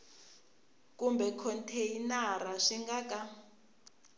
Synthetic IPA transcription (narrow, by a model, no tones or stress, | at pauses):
kʼumbɛkʰɔntʰejinaɾaʂiŋɡakʼa